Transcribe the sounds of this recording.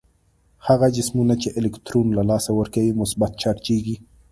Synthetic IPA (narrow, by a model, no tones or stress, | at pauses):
haɣad͡ʒɪsmunat͡ʃeʔɪlɪkt̪ɾonlalɑsawəɾkawimʊsbat̪̚t͡ʃɑʈt͡ʃeɡi